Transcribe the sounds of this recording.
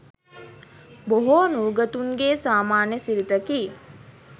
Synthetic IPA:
boɦoːnuːɡət̪uŋɡeːsaːmaːnjəsiɾit̪əki

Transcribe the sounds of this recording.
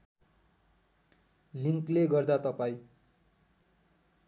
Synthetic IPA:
liŋkleɡʌrd̪at̪ʌpaĩ

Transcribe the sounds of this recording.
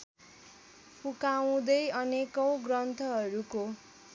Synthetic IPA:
pukaw̃d̪ʌjʌnekʌw̃ɡrʌnt̪ʰʌɦʌɾuko

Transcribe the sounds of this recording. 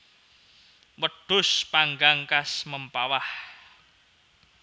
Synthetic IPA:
wəɖ̥ʊspaŋɡaŋkasməmpawah

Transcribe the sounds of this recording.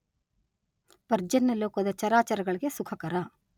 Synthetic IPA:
pɐɾd͡ʒɐnːɐloːkɐd̪ɐt͡ʃɐɾaːt͡ʃɐɾɐɡɐɭiɡe̞sukʰɐkɐɾɐ

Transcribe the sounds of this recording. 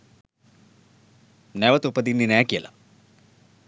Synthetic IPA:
neʋɐt̪upːɐd̪inːinaːkiɐlɐ̰

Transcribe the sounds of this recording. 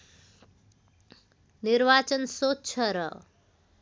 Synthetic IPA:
niɾbat͡sʌnsott͡ʃʰʌɾʌ

